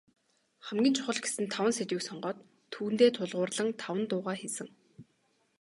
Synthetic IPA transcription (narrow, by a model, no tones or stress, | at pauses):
χæmɡʲiːnt͡ɕʰʊ̥χɞ̆ɮɡe̥sɘ̆nt̪ʰːawə̆nset̪wiːksɔɴɢɔːt̪ʰː | uːn̥t̪eːt̪ʰʊɮʁʊːrɮə̆ŋt̪ʰawə̆nt̪ʊːʁaːxesɘ̆ŋ